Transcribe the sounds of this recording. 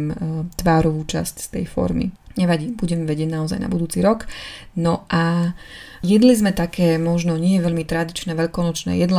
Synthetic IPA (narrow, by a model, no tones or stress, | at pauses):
mt̪ʋaːɾɔʋuːt͡ʃa̰scst̪ɛ̰jfɔ̰ɾmḭɲɛʋaɟiːbuɟɛmʋɛɟɪɛɟnaɔza̰jna̰bud̪uːt͡siɾɔk | nɔʔa | jɛd̪lizmɛt̪akʰɛːmɔʒnɔɲɪɛjɛʋɛʎmit̪ɾad̪it͡ʃnɛːʋɛʎkɔnɔt͡ʃnɛ̰ːjɛd̪la